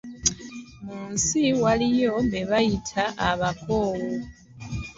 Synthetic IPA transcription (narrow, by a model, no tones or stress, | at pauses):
muːnsiwalijo̞beβajitʰaʔːβako̞ːwo